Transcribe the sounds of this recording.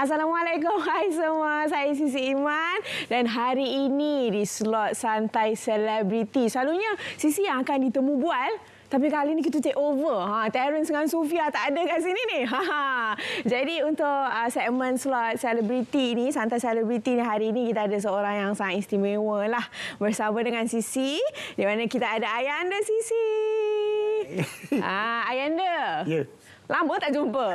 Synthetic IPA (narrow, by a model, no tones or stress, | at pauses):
as̬alamalekʊmɦajsəmuasajəsis̬iːmandanɦaɾiːnidislɔt̪̚sant̪ajsəlɛbɾit̪isəlaluɲəsisijaŋakandit̪əmũbual | t̪ap̬ikalinik̬it̪ut̪eʔovəɦãt̪ɛɾənsəŋansofiat̪aʔːdakans̬ininiɦã | d͡ʒadiunt̪ʊʔəsɛk̚mə̃nslɔt̪̚sɛləbɾit̪iːnisant̪asɛləbɾit̪iniɦaɾiːnikit̪aadas̬əoɾaŋjaŋsaŋat̪inst̪imewəlahbərsamadəŋansisidimanakit̪aadaajandəsisi | aajandə | lamə̃t̪aʔd͡ʒumpə